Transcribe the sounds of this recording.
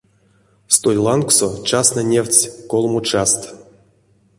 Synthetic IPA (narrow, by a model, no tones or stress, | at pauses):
st̪ojʲlˠanksot͡ʃasnanʲewʲt͡sʲkolˠmut͡ʃast̪